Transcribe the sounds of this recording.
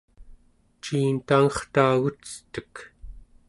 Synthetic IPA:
t͡ʃiːnt̪aŋʌχt̪aːɣut͡sə̥t̪ək

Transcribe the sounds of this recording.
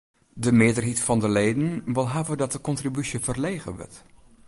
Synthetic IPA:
dəmɪːɹdəɹɦitfɑndəlejdənʋɪlˠɦaːvədɑt̚dəkɔntribysjəvərlejχə̰nʋə̰ɹt

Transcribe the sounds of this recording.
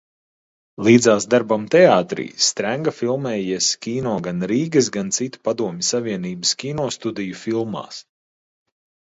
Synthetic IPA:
lˠiːd̪zaːsd̪aɾbamt̪ɛaːt̪ɾḭːst̪ɾæŋɡafilˠmɛːjiɛskʲiːnɔːɡanɾiːɡɐs̬ɡant̪sit̪u̥pad̪uɔmʲɪsavʲiɛniːbəskʲiːnɔːst̪ud̪ijufilˠma̰ːs

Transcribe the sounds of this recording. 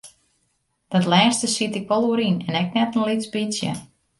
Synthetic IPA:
d̥ɔtlɛːstəsitɪkʋɔlˠuəɾinɛnɛk̚nɛtn̩lisbisjə̰

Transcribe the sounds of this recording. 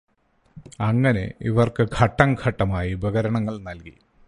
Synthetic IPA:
ɐŋːɐne̞̰iʋɐrkɨkʰɐʈːɐŋkʰɐʈːɐmaːjibɐɣɐɾɐɳɐŋːɐɭnɐlkḭ

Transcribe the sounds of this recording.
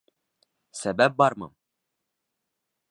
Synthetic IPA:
sɛbæp̚bɑɾmɨ̰m

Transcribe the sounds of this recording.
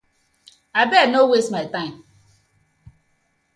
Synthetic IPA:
abɛnowesmaɪtãɪ̃m

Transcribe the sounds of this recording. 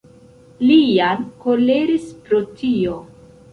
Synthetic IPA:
lijanko̞le̞ɾispɾo̞tʰio̞

